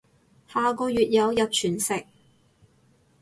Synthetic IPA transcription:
haː˨˧kɔː˧jyː˨t̚jɐ˨˧wjɐ˨t̚t͡ʃʰyː˨˩nsɪ˨k̚

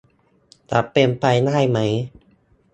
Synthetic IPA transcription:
t̪a˨˩pe˧mpa˧jnaː˥˩jma˦˥j

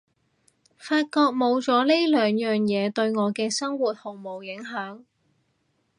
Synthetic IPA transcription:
faː˧t̚kɔː˧k̚mo˨˧wt͡sɔː˨˥le˥jlœː˨ŋjœː˨ŋjɛː˨˧t̪ɵ˧ɥŋɔː˨˧kɛː˧sɐ˥ŋwuː˨˩t̪̚hʊ˨˩ŋmo˨˩wjɪ˨˥ŋɦœː˨˥ŋ

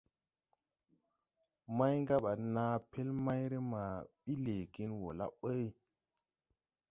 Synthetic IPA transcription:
ma˦jŋɡa˦ɓa˨naː˦pe˦lma˦jɾe˦ma˨ɓi˦le˨ɡi˦nwo̰˨la̰˦ɓə˦j

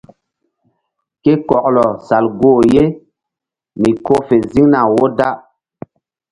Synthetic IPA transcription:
ke˦kɔ˨k̚lɔ˨sa˨lɡoː˦˨je˦ | mi˨ko˦fe˨zi˦ŋna˨wo˦da˦ʔ

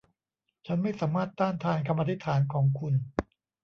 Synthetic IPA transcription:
t͡ɕʰa˦˥nma˥˩jsaː˩˦maː˥˩t̪ːaː˥˩ŋt̪ʰaː˧nkʰa˧mʔaː˧t̪ʰi˦˥t̪ʰːaː˩˦nkʰɔː˩˦ŋkʰu˧n

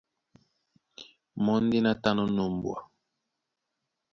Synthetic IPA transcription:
mɔ˦n˦di˦na˦ta˦nɔ˦no˨m˨bwa˨

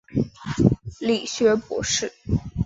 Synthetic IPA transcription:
li˨˩ɕɥɛ˧˥pwɔ̰˧˥ʂɻ̩˥˩

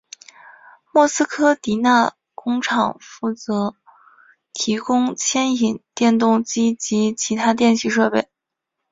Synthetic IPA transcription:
mwɔ˥˩sɹ̩˥kʰɤ˥t̪i˧˥na˥˩ | kʊ˥ŋʈ͡ʂʰɑ˨˩ŋfu˥˩t͡sɤ˧˥ | t̪ʰi˧˥kʊ˥ŋt͡ɕʰjɛ˥ni˨˩˦nt̪jɛ˥˧nt̪ʊ˥˩ŋt͡ɕi˥t͡ɕi˧˥t͡ɕʰi˧˥t̪ʰa˥t̪jɛ˥˧nɕi˥˧ʂɤ˥˧pe˥˩ɪ

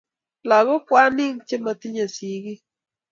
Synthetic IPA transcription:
la˨ɣo˦kwa˦nɪ˦ŋt͡ʃe˦ma˨t̪i˦ɲa˨si˨ɡi˦

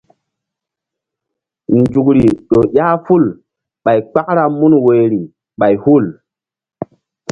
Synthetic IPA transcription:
nd͡ʒu˨k̬ɾi˨ɗo˨ɗʲa˦fu˦˨l | ɓa˨jk͡pa˦k̚ɾa˦mu˦nwe˨ɾi˨ | ɓa˨jhu˦˨l

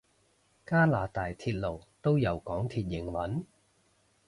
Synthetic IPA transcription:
kaː˥laː˨˩t̪aː˨˩jt̪ʰiː˨˩t̚lo˨˩wt̪o˥wjɐ˨˩wkɔː˨˥ŋt̪ʰiː˨˩t̚jɪ˨˩ŋwɐ˨˥n

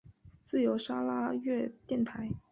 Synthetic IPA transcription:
t͡sɹ̩˥˩jo˧˥ʊʂa˥la˥ɥɛ˥˧t̪jɛ˥˩nt̪ʰa˧˥ɪ

